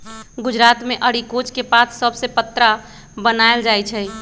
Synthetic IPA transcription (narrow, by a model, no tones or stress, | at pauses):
ɡʊd͡ʒɾat̪meʔəɽikot͡ʃkepat̪ʰsəbʱsepət̪ːɾa | bənaeld͡ʒajt͡ʃʰɛ